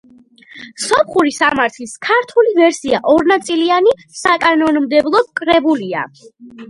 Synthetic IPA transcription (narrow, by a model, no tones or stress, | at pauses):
sɔp̚ʰχuɾisamaɾt̪ʰliskʰaɾt̪ʰulivɛɾsiaʔɔɾnat̪sʼilianisakʼanɔnɔmd̪ɛblˠɔkʼɾɛbulia̰